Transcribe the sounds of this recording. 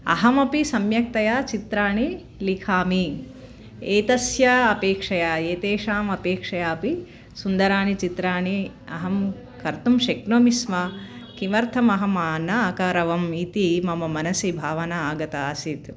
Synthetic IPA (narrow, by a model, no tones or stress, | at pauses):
ɐ̰ɦɐmɐpisɐmjɐk̚t̪ɐjaːt͡ʃit̪ɾaːɳi | likʰaːmi | eːt̪ɐsjɐɐpeːkʂɐjaːeːt̪eːʃaːmɐpeːkʂɐjaːɐpi | sund̪ɐɾaːnit͡ʃit̪ɾaːɳiɐ̰ɦɐm | kɐɾt̪umʃeknoːmismɐkimɐɾt̪ʰɐmɐɦɐmaːnɐːkɐɾɐʋɐmit̪imɐmɐmɐnɐsibʱaːʋɐnɐaːɡɐt̪ɐːsit̪